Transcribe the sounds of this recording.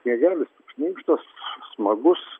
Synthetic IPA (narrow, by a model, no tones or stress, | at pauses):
mʲiɛɡʲæːlʲɪstɪpʃʲnʲiːkʃt̪ɐssmɐɡʊs